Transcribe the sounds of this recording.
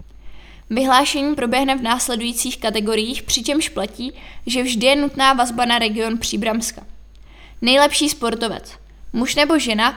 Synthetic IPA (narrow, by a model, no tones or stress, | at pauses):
vɪɦlaːʃɛɲiːpɾo̞bjɛɦnɛvnaːslɛdujiːt͡siːxkat̪ɛɡo̞ɾɪjiːxpr̝̥ɪt͡ʃɛmʃplaciːʒɛvʒdɪjɛnut̪naːvazbanaɾɛɡɪo̞npr̝̥iːbɾamska | nɛjlɛpʃiːspo̞ɾt̪o̞vɛ̰t͡s | muʃnɛbo̞ʒɛna